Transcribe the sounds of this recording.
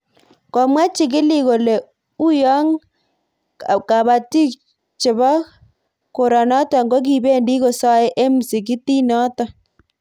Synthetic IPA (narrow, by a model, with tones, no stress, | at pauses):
kɔ˨mwa˦t͡ʃɪ˨kɪ˦li˦ko˨le˨ | u˦jɔ˦ŋ | ka˨ba˨ti˦k | t͡ʃɪ˨bɔ˦ | ko˨ɾa˨nɔ˦tɔ˨ŋɡo˦k̬i˨be˦ndi˦ko˦˨sa˦e˦ʔe˦m˨si˨k̬i˦ti˦nɔ˦tɔ˨